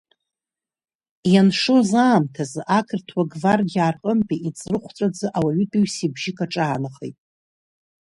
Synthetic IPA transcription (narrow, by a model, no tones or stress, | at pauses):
janʂozaːmtʰazʔakʰɨrtʰwaɡvarɡʲarqʼəmpʼiʔit͡sʼrɨχʷt͡sʷʼad͡zɨʔawaɥʊdʼuɥsibʒɪkʰʼaʈ͡ʂʼaːnaχḛjtʼ